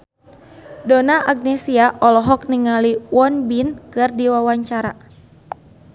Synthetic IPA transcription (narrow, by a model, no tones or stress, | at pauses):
donaʔaɡ̚nɛsiaʔɔlɔɦɔk̚niŋaliwɔnbinkɨrdiwawaɲt͡ʃaɾa̰